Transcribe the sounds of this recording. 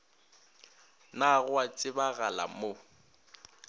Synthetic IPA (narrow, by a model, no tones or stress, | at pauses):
naɣʊat͡sʼɪbaɣala̰mo